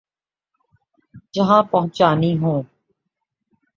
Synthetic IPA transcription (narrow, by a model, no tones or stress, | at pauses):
d͡ʒəɦãpɐɦʊ̃t͡ʃaːniɦõː